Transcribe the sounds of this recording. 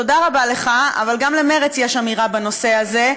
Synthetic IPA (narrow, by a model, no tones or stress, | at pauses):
to̞daʁabale̞χaa̰valɡamlemeʁet͡sjeʃamiʁabano̞se̞aze̞